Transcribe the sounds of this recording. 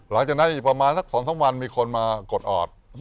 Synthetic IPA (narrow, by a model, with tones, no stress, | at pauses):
la˩˦ŋt͡ɕaː˨˩na˦˥nʔiː˨˩kpɾa˧maː˧nsa˥˩k̚sɔː˩˦nt̪ʰa˦ŋwa˧nmiː˧kʰo˧nmaː˧ko˨˩t̪̚ʔɔ̰ː˨˩t̪̚